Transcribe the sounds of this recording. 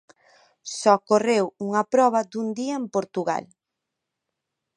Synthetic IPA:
sɔkorewuŋɐpɾɔβ̞ɐd̪und̪iɐempoɾt̪uɣa̰l

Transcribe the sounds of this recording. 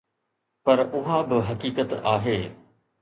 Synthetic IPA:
pɐɾʊɦãbɪɦɐkiːkət̪aːɦeː

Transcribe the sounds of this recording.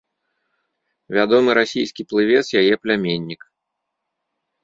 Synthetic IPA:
vʲad̪ɔmɨɾasʲijskʲiplˠɨvʲɛt̪sjajɛplʲamʲenʲːik

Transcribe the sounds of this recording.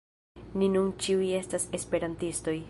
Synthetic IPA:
ninunt͡ʃiuje̞stase̞spe̞ɾantisto̞j

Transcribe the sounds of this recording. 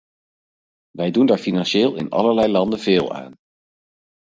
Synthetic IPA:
ʋɛjdundaːɹfinɑnʃɪːlˠɪ̰nɑ̰ləɹlɛjlɑndənveːlˠa̰ːn

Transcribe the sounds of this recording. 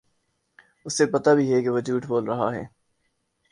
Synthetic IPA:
ʊsːepɐt̪abʱiɦɛkeʋod͡ʒuːʈʰboːlɾɐɦa̰ɦɛ̰ː

